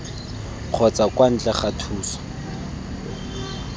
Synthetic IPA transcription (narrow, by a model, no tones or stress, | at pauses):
q͡χʰɔt͡sakwan̩t͡ɬʼɛχatʰuːsɔ̥